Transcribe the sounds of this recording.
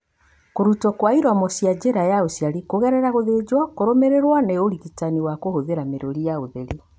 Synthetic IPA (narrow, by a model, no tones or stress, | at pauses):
koɾutɔkwaiɾwamɔsjad͡ʑeɾajaosjaɾikoɣɛɾɛɾaɣoðed͡ʑwakoɾomeɾeɾwaneoɾiɣitaniwakohoðeɾameɾoɾijaoðeɾi